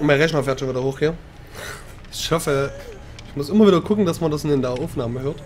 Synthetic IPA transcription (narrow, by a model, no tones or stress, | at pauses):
maɪʁɛçnɐfɛɐtʃonviːdɐhoːxɡ̥iːɐ | ɪʃhɔfə | ɪçmʊsʔɪmɐviːdɐkʰʊkŋ̩d̥asmɐndasɪndendaɐaʊfnaːməhøːɐt